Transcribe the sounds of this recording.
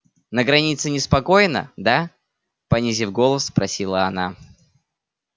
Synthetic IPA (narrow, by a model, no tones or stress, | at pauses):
nəɡɾɐnʲit̪sɨnʲɪspɐko̞jnə̰d̪a | pɐnʲizʲifɡo̞lˠəspɾɐsʲilˠəɐna̰